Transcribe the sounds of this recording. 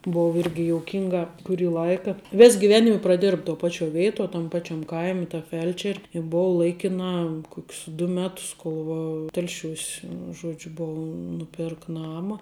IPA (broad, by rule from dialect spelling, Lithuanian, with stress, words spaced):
ˈboːw ˈɪrʲɡʲɪ joːʊˈkʲɪŋɡɐ kʊˈrʲiː ˈlˠɐɪkɐ ˈʋʲeːs ɡʲɪˈʋʲæːnʲɪmʲɛ prɐˈdʲeːrp toː ˈpɑːt͡ʃʲoː ˈʋʲeːɪtoː tɐm ˈpɑːt͡ʃʲɛm ˈkɐɪmʲɪ tɐ ˈfʲɛlʲt͡ʃʲɛrʲ ɪ ˈboːʋɐ ˈlˠɐɪkʲɪnɑː ˈkoːkʲs dʊ ˈmʲæːtʊs ˈkoːlˠ ʋɐ ˈtʲɛlʲʃʲuːs ˈʒuɔd͡ʒʲʊ ˈboːʋɐ nʊˈpʲeːrkɐ ˈnɑːmɐ